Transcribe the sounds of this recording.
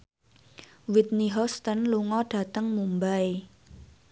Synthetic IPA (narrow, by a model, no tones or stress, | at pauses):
wit̪̚niɦɔst̪ənluŋɔɖ̥ä̤t̪əŋmumbae